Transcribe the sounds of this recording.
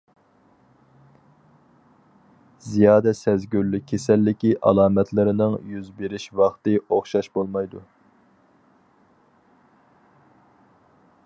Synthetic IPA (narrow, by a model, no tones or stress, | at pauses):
zijɑːd̪ɛsɛzɡʲyɾlːykʲʰːesɛlːɪkʲiʔɑ̰lˠɑːmɛt̪ʰlɪɾɪnɪŋjyzbeɾɪʃwɑχt̪ɨoχʃɑʃbolˠmɑjd̪u